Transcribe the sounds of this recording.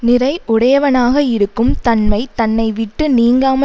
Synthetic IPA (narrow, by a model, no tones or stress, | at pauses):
nɪrɐɪʔʊɽɐjɐʋɐnaːɣɐɪɾɯkːɯmt̪ɐnmɐɪt̪ɐnːɐɪʋɪʈːɯniːŋɡaːmɐ